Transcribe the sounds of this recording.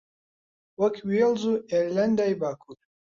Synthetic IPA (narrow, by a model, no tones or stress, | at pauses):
wɐkʰwilzuːeɾland̪ajbaːkʰuːɾ